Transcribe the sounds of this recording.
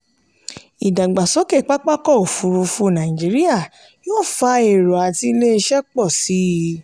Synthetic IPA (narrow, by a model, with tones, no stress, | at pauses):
i˨da˨ɡ͡ba˨sɔ˨˦ke˦˨k͡pa˦k͡pa˦kɔ˦˨o˨fu˨˧ɾu˧fu˧˦˨nã˨ĩ˨d͡ʒi˨˦ɾi˦ja˦˨ | joː˦˨fa˧˦e˨ɾɔ˨a˨ti˧˦le˦˧ʃɛ˦k͡pɔ˦˨si˨˦˧